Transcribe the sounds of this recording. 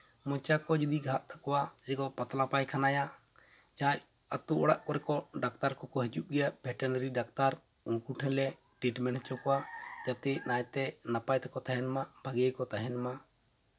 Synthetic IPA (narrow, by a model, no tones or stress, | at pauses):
mɔ̃t͡ʃakɔd͡ʒud̪iɡʱaʔt̪akɔwad͡ʒɛɡɔpat̪lapajkʰanaja | t͡ʃãj | at̪uɔɽaʔkɔɾɛkɔɖak̚t̪aɾkɔkɔɦid͡ʒuʔɡɛjaʔbʱɛʈɛnɾiɖakt̪aɾ | uŋkuʈʰɛ̃lɛ | ʈiʈmɛnhɛt͡ʃɔkɔwad͡ʒat̪ɛnajt̪ɛnapajt̪ɛkɔt̪aɦɛnmabʱaɡəjkɔt̪aɦɛnma